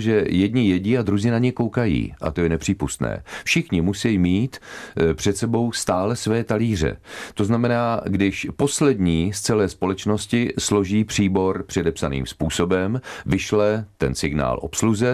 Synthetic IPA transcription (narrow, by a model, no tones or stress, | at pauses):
ʒɛjɛd̪ɲɪjɛɟiːad̪ɾuzɪːnaɲɛko̞wkajḭːʔa̰t̪o̞jɛnɛpr̝̥iːpust̪nɛ̰ːfʃɪxɲɪmusɛjimiːt̪pr̝̥ɛt̪sɛbo̞wst̪aːlɛsvɛːt̪aliːr̝ɛ̰t̪o̞znamɛnaːɡdɪʃpo̞slɛdɲiːst͡sɛlɛːspo̞lɛt͡ʃno̞scɪslo̞ʒiːpr̝̥iːbo̞ɾpr̝̥ɛdɛpsanḭːmspuːso̞bɛmvɪʃlɛt̪ɛnsɪɡna̰ːlʔo̞̰psluzɛ